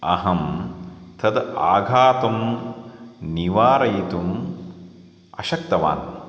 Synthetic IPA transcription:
ɐ̰ɦɐmt̪ʰɐd̪a̰ːɡʱaːt̪ɐm | niʋaːɾɐjt̪um | ɐʃɐk̚t̪ɐʋa̰ːn

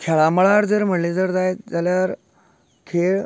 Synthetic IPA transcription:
kʰɛɭaməɭaɾd͡zəɾm̤əɽled͡zəɾd͡zajd͡zaljaɾ | kʰeɭ

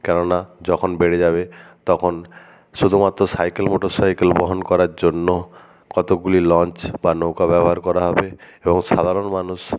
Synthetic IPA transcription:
kɛnonad͡ʑɔkʰonbeɽed͡ʑaβet̪ɔkʰon | ʃud̪ʱumat̪ːɾosajkelmoʈoɾsajkelboɦonkɔɾaɾd͡ʑonːo | kɔt̪oɡulilɔnt͡ɕbanokabɛbɔɦaɾkɔɾaɦɔbeeboŋʃad̪ʱaɾonmanuʃ

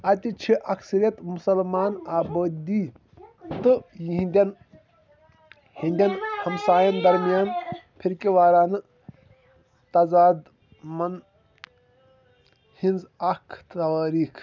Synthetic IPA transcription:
ɐt̪it͡ʃʰiʔɐkʰsɐɾjɐt̪musɐlmaːnaːbəːd̪i | t̪ɨĩnd̪ʲɐn | hĩnd̪ʲɐnhɐmsaːjɐnd̪ɐɾmijaːnpʰiɾkiʋaːɾaːnɨ | t̪ɐzaːd̪ | mɐn | hĩnzɐkʰt̪ɐʋaːɾiːkʰ

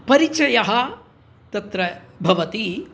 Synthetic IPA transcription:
pɐɾit͡ʃɐjɐɦɐ | t̪ɐt̪ɾɐbʱɐʋɐt̪i

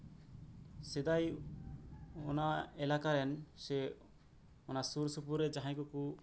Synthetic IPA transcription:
sɛd̪aj | ɔnaɛlakaɾɛnse | ɔnasuɾsupuɾed͡ʒaɦãkuku

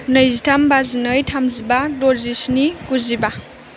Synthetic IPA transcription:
nɯjzitʰambazinɯjtʰamzibadozisnikuziba

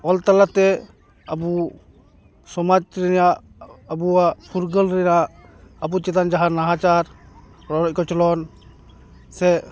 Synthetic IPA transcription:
ɔlt̪alat̪ɛ | abu | sɔmad͡ʒɾɛnjaʔ | abuapʰuɾɡəlɾɛnaʔː | but͡ʃɛt̪and͡ʒaɦanaɦat͡ʃaɾ | ɾɔɾɔc̚kɔt͡ʃɔlɔn | sɛ

